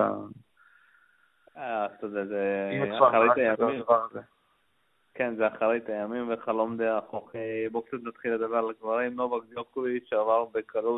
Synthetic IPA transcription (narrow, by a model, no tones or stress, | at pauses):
a̰ | aazt̪od̪ezeaaɾet̪ajaavaʁaze | kenzeaχaʁejt̪ajamimveχalo̞md̪eaχoχebok̚t͡sat̪nat̪χilːed̪abeʁalaɡvaʁimlobaɡd̪okoviʃeavaʁbekʰalu